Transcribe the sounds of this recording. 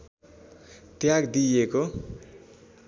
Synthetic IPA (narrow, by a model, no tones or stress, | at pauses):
t̪jaɡd̪ijeko